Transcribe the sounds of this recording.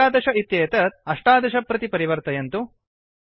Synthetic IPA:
aːd̪ɐʃɐit̪jeːt̪ɐt̪̚ɐʂʈaːd̪ɐʃɐpːɾɐt̪ipɐɾiʋɐɾt̪ɐjɐnt̪u

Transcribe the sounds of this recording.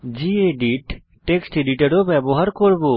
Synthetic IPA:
d͡ʑieɖiʈ | ʈeksʈeɖiʈaɾobɛboɦaɾkoɾbo

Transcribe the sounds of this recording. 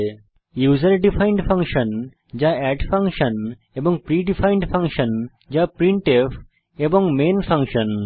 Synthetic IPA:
juːzəɾɖifʰãɪ̃ɳɖfʰɐ̃ŋkʃə̃n | d͡ʒaɛɖfɐ̃ŋkʃə̃n | ebɔ̃ŋɡ̚pɾiːɖifʰãɪ̃ɳɖfʰɐ̃ŋkʃə̃n | d͡ʒapɾĩɳʈef | ebɔ̃ŋɡmẽːnfɐ̃ŋkʃə̃n

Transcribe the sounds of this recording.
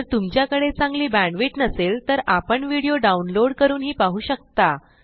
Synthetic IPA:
əɾt̪umt͡ɕjakəɽet͡sãŋɡliːbæ̃ɳɖʋiːʈnəselt̪əɾapəɳʋiɽijoɖaunloɽkəɾuːnɦiːpaɦuːɕək̚t̪a

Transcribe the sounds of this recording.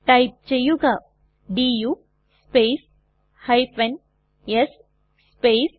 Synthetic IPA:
ʈajp̚t͡ʃejuɡa | ɖijuː | speːs | hɐjfen | jesː | pes

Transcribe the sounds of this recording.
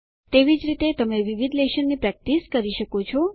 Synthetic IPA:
t̪eʋid͡ʒɾit̪et̪əmeʋiʋid̪ʱleʃənːipɾɛk̚ʈiskəɾiʃəkot͡ʃʰɔ

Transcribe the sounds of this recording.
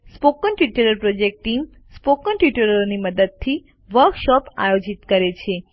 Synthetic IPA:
spokənʈiʈəɾəɾpɾod͡ʒek̚ʈʈːim | spokənʈiʈəɾəɾoniməd̪əd̪̚t̪ʰi | ʋəɾkʃɔpa̰jod͡ʒit̪kəɾet͡ʃʰe

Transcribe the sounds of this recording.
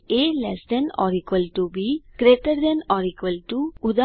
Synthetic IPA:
elɛsd̪ɛnɔ̰ɾikʋəlʈubikɾeːʈəɾd̪ɛnɔɾikʋəlʈuud̪a

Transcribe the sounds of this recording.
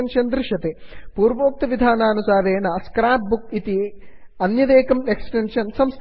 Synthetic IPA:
nʂɐnd̪ɾɪʂɐt̪epuːɾʋoːk̚t̪ɐʋid̪ʱaːnaːnusaːɾeːnaskɾaːp̚buk̚it̪i | ɐnjɐd̪eːkɐmeksʈenʂɐnsɐmst̪

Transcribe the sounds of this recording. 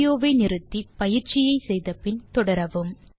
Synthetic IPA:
joːʋɐɪnɪɾɯt̪ːipɐjɪɾt͡ʃɪjɐɪsɛjðɐpɪnt̪ɔɽɐɾɐʋɯm

